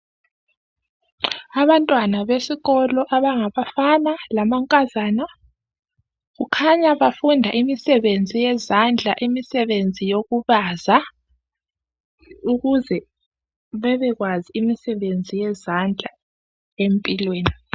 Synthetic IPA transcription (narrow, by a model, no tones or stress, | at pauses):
aβantʼwanaβesiɣɔlɔʔaβaŋaβafanalamaŋkʼazana | ɣukʰaɲaβafundʱaʔimisɛβend͡zʱijɛzand͡ɮʱaʔimisɛβend͡zʱijoɣuβaːza | uɣuzɛ | βɛβɛɣwaziimisɛβend͡zʱijɛzand͡ɮʱa | empʼilweːni